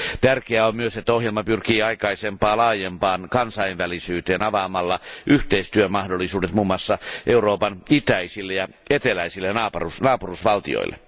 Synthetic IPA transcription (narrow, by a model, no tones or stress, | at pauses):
t̪ærkeæommyøset̪ːæohjelmɑpyrkiːɑikɑisempɑːlɑːjempɑːnkɑnsɑinʋælisyːt̪eːnɑʋɑmɑlːɑʔyht̪eist̪yømɑhdolːˑisuːdet̪muːmːoɑsːɑʔeuroːpɑnit̪æisilːejɑ | et̪elæisilːenɑːpɑrusnɑːpurusʋɑlt̪ḭo̰ḭlːḛ